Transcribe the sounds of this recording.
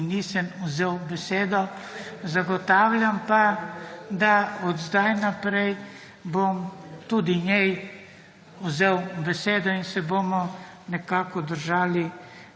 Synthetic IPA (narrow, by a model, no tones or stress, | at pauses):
niːsɛmuzewbɛseːd̪ɔ | zaɡɔt̪aːwlʲampa | d̪aɔd̪zd̪ajnapɾɛj | bomt̪ud̪iɲjɛj | uzewbɛseːd̪ɔinsɛbomɔ | nɛkaːkɔd̪əɾʒaːli